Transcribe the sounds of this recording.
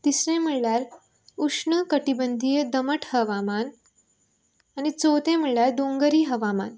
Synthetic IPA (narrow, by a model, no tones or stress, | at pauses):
t̪isɾẽm̤əɭljaɾ | ukʂɳəkəʈibənd̪ʱiːjəd̪əməʈʰhəʋaman | anit͡sowt̪ẽm̤əɭljaɾd̪oŋɡəɾiːɦəʋama̰n